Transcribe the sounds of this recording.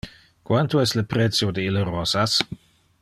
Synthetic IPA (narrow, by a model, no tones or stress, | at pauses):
kwant̪oɛsləpɾɛtsjodeilərɔsas